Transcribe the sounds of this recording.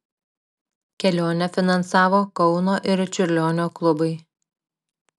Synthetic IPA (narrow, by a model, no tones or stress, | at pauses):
kʲɛlʲoːnʲɛfʲɪnɐnsɑːʋoːkɔʊnoːʔɪɾt͡ʃʲʊɾʲlʲoːnʲoːklˠʊbɐɪ